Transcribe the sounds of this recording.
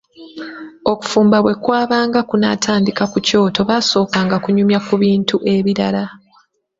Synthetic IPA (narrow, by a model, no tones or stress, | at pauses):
o̞ku̥fuːmbaβwe̞kwaːβaːŋɡakuna̰ːtʰaːndikakuco̞ːto̞βaso̞ːkaːŋɡakuɲumjakuβiːntuʔe̞βiɾa̰la